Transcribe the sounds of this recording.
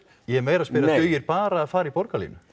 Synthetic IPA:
jɛɛɾmɛːɾaðspɪɾaʏːjɪɾpaːɾaːðfaːɾaipɔɾkalḭːnʏ

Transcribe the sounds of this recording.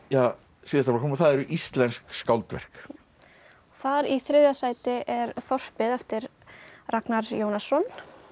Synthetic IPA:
jaː | siːðast̪aɾfɾkʰɔmθaðɛɾʏʔist̪lɛnskskawlt̪vɛ̰r̥k | ɔθaɾiθɾɪðjasaːjt̪ɪʔɛɾθɔr̥pɪðɛft̪ɪɾ | raknaɾjoːwnasːɔn

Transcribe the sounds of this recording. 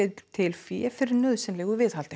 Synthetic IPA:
t̪ʰɪlfjɛfɪɾɪɾnœðsɛnlɛːɣʏvɪð̥halt̪ɪ

